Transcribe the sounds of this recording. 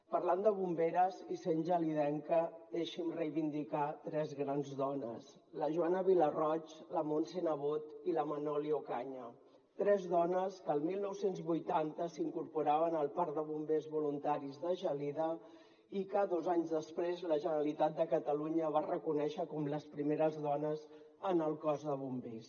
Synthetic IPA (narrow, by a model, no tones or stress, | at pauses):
pəɾland̪əβumbeɾəzisenʲʒəliðɛŋkəðeʃimrəjβind̪ikat̪ɾɛzɣɾanzðɔnə̰s | ləʒuanəβilərɔt͡ʃləmonsenəβ̞ot̪iləmənɔliokaɲə | t̪ɾɛzðɔnəskəːlˠmilˠnɔwsenzβujt̪ant̪əsiŋkuɾpuɾaβənəlˠpaɾd̪əβumbezβulunt̪aɾizðəʒəliðə | ikəðozaɲzðəspɾezləʒənəɾəlit̪at̪̚d̪əkət̪əluɲəβ̞arəkunɛʃəkɔmləspɾimeɾəzðɔnəz | ənəlˠkɔzðəβumbes